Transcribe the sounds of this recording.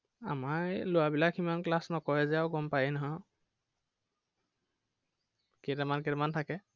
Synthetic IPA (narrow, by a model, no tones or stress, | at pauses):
amaɹlʊwabilakimanklasnɔkɔɹɛzɛawɡɔmpajɛnaɦa | kɛtɛmankɛtɛmantʰakɛ